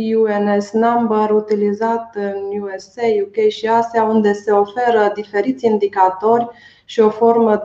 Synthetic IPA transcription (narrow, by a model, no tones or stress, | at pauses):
juenesnambəɾut̪ilizat̪ɨnjuesejukejʃiasiaund̪e̞se̞o̞fe̞ɾəd̪ife̞ɾit̪sʲind̪ikat̪o̞rʲ | ʃio̞fo̞rmə